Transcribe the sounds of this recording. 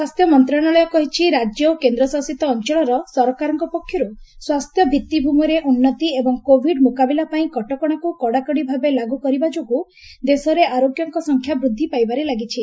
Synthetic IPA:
swast̪ʰjɔmɔnt̪ɾaɽ̃ɔɭɔjɔkɔɦit͡ʃʰiɾad͡ʒjɔkend̪ɾɔsasit̪ɔːnt͡ʃɔɭɔɾɔsɔɾɔkaɾɔŋkɔpɔkʰːjɔɾuswast̪jɔbʱit̪ːibʱumɔɾeʔunːɔt̪iebɔŋkobʱiɖmukabilapaĩkɔʈɔkɔɽ̃akukɔɽakɔɽibʱabelaɡukɔɾibad͡ʒoku | d̪esɔɾeʔaɾoɡjɔŋkɔsɔŋkʰjabɾud̪ʱːipajbaɾelaɡit͡ʃʰi

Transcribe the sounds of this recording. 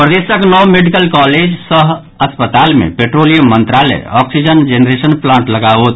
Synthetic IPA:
pɾəd̪esəknɔwmeɖikəlkɔːled͡ʒsəɦ | əspət̪aːlmḛ̃peʈɾolijomə̃nt̪ɾaːlɛ̰ɔːksid͡ʒənd͡ʒenɾesənplãːɳʈləɡaot̪

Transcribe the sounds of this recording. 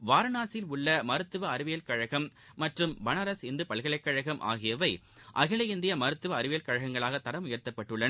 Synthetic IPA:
ʋaːɾɐnaːsɪlʊɭːɐmɐɾɯt̪ːɯʋɐːɾɯʋɪjɐlkɐɻɐɣɐmː | ɐʈrɯmbɐnɐɾɐsɪnd̪ɯpɐlɣɐɭɐɪkːɐɻɐɣɐmʔa̰ːɣɪjɐʋɐɪ | ʔɐ̰ɣɪɭɐjɪnd̪ɪjɐmɐɾɯt̪ːɯʋɐːɾɯʋɪjɐlkɐɻɐɣɐŋɡɐɭaːɣɐt̪ːɐɾɐmʊjɐɾt̪ːɐpːɐʈːɯɭːɐn

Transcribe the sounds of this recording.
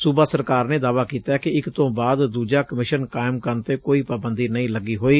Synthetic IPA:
suːbaːsəɾkaːɾneːd̪aːʋaːkiːt̪aːkɪɪkt̪õːbaːd̪d̪uːd͡ʒaːkəmɪʃənkaːɪmkəɾnt̪eːkoːiːpaːbənd̪iːnəĩːləɡiːɦoːiː

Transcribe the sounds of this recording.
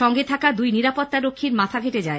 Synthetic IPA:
ɔŋɡet̪ʰakad̪ujniɾapot̪ːaɾokʰːiɾmat̪ʰabʱeʈed͡ʑae

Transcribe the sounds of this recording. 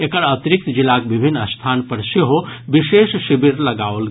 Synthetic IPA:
ekɐɽɐt̪ɾɪk̚t̪d͡ʒilaːk̚ʋɪbʱinːɐst̪ʰaːnpɐɾʃeɦobiʃeːʃʃɪbiɾlɐɡaːol

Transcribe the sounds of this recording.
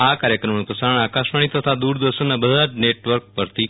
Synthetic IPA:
akaɾjəkɾəmnupɾəsaɾəɳ̃akaʃʋaɳ̃it̪ət̪ʰad̪uɾd̪əʃənːabəd̪ʱaneʈʋəɾk̚pəɾt̪ʰi

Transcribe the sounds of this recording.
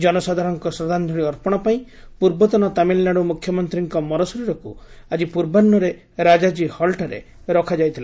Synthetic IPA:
d͡ʒɔnɔsad̪ʱaɾɔŋkɔsɾɔd̪ʱand̪ʱɔɽiɔɾpɔɽ̃ɔpaĩ | puɾbɔt̪ɔnɔt̪amilnaɽumukʰjɔmɔnt̪ɾiŋkɔmɔɾɔsɔɾiɾɔkṵ | ad͡ʒipuɾbanːɔɾe | ɾad͡ʒad͡ʒihɔlʈaɾḛ | ɾɔkʰad͡ʒajt̪ʰila

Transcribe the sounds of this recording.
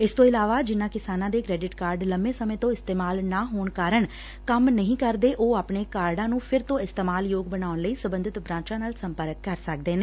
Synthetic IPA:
ɪst̪õːɪlaːʋaːd͡ʒɪnːãːkɪsaːnãːd̪eːkɾɛːɖɪʈkaːɾɖləmbẽːsəmẽːt̪õːɪst̪eːmaːlnaːɦoːɳkaːɾəɳ | kəmnəɦĩːkəɾd̪eːʔoːaːpɳeːkaːɾɖãːnũːpʰɪɾt̪õːɪst̪eːmaːljoːɡbənaːʊnləiːsəbə̃nd̪ʱɪt̪bɾãːt͡ʃãːnaːlsəmpəɾəkːəɾsək̚d̪eːneː

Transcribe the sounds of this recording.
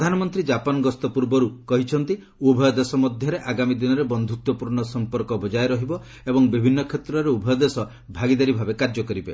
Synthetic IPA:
ɾd̪ʱanɔmɔnt̪ɾid͡ʒapɔnɔɡɔst̪ɔpuɾbɔɾukɔɦit͡ʃʰɔnt̪i | ubʱɔjɔd̪esɔmɔd̪ʱjɔɾeʔaɡamid̪inɔɾebɔnd̪ʱut̪wɔpuɾɳɔsɔmpɔɾkɔbɔd͡ʒajɾɔɦibɔ | ebɔŋbibʱinːɔkʰet̪ɾɔɾeubʱɔjɔd̪esɔ | bʱaɡid̪aɾibʱabekaɾd͡ʒɔkɔɾibe

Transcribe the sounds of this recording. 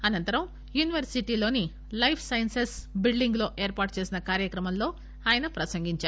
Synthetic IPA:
ɐnɐnt̪ɐɾɐm | juːniʋɐɾsiʈiːlo̞ːni | lɐjpʰsɐjɐnsesbiɭɖiŋɡlo̞ːʔe̞ːɾpaːʈ̚t͡ʃe̞ːsinɐkaːɾjɐkɾɐmɐmlo̞ː | aːjɐnɐpɾɐsɐŋɡiɲt͡ʃaː

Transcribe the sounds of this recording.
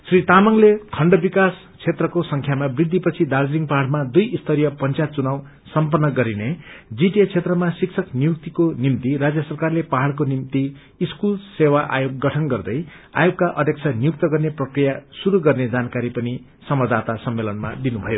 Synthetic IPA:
srit̪amʌŋlekʰʌɳɖʌbikas | t͡sʰet̪rʌkosʌŋkʰjamabrid̪ʱːipʌt͡sʰid̪ard͡zɾiŋɡpaɦaɽmad̪ujist̪ʰʌɾijʌpʌnt͡sajt̪̚t͡sunaw | sʌmpʌrnːʌɡʌɾined͡ziʈet͡sʰet̪rʌmasiksʰʌknijuk̚t̪ikonimt̪irad͡zjʌsʌrkarlepaɦaɽk̬onimt̪iː | skulsewaʔa̰joɡːʌʈʰʌnɡʌrd̪ʌj | a̰joɡkaʔʌd̪ʱjeʌk̚t͡sʰʌnijuk̚t̪ʌɡʌrneprʌkrijasuɾuɡʌrned͡zankaɾipʌni | sʌmʌd͡zd̪at̪asʌmːelʌnma̰d̪inubʱʌjo

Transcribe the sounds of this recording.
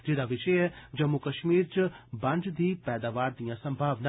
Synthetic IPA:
d͡ʒɪd̪aːʋɪʃəɛd͡ʒəmːukəʃmiːɾt͡ʃbɐ̃nd͡ʒd̪iːpɛːd̪aːʋaːɾd̪ijãːsə̃mbʱaːʋnaː

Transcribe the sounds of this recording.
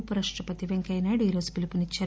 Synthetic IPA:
puɾɐʂʈɾɐpɐt̪iʋeŋkɐjnaːɽuiːɾo̞ːzupilipunit͡ʃːaːɾ

